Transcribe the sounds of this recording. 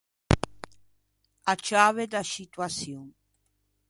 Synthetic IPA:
at͡ʃaβed̪asit̪wasjoŋ

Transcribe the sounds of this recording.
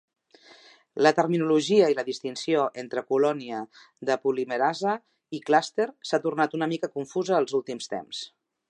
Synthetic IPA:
lət̪ərminuluʒiəiləðist̪insioʔent̪ɾəkulɔniə | ðəpuliməɾazə | iklast̪eɾsat̪urnat̪unəmikəkuɱfuzəːlˠzulˠt̪imst̪ḛms

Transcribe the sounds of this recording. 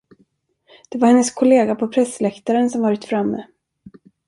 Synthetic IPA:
d̪̥ɛvaɾhɛnːəskʰɔleːɡapʰɔpʰɾɛslɛkt̪aɾənsɔmvɑːɾɪt̪fɾamːɛ̰

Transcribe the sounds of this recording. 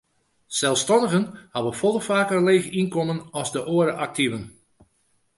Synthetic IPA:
sɛlˠfstɑndəɣənhaʋəfɔlˠəfaːkərleːɣəinkɔmənɑlzdəʔoəɾəʔak̚tivən

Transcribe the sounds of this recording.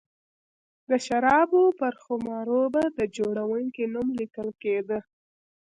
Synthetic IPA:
d̪əʃaɾɑbopəɾxʊmɑɾobad̪əd͡ʒoɽawəŋkinumlikəlked̪ə

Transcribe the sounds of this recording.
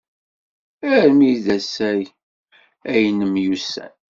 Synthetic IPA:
æɾmiðæsæj | æjnəmjusæ̰n

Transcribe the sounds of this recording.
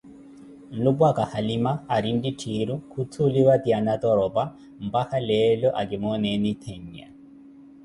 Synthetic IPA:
n̩lubwakahalimaːɾinditʰiɾukʰutʰuliwat̪ianat̪ɔɾɔba | m̩bahalɛlɔʔaɡɪmɔnɛnɪt̪ʰeɲːa̰

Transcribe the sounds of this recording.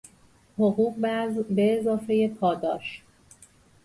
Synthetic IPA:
hoɣuːqbæzbeːzɒːfe̞je̞pʰɒːd̪ɒːʃ

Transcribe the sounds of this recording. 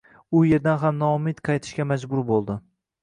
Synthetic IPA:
ʊje̞ɾd̪anɦamnɒmɪd̪qʰɑjt̪ʰɪʃkʲamad͡ʒbʊɾbolˠd̪ɪ

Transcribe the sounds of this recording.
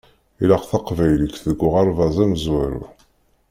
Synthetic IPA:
ilæqθɑqvæjlikðəɡːʊʁɑɾˤvɑzˤæməzwæɾṵ

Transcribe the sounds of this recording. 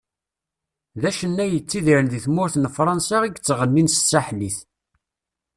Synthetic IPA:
ðæʃənːæjət͡sːiðiɾənðiθmʊɾθənfɾˤɑnsɑiɡt͡sːʁənːinssaħliθ

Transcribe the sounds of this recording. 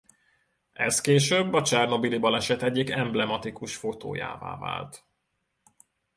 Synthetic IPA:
ɛskeːʃøːbːɒt͡ʃɛrno̞bilibɒlɛʃɛt̪ɛɟːikɛmblɛmɒt̪ikuʃfo̞t̪o̰ːja̰ːva̰ːva̰ːlt̪

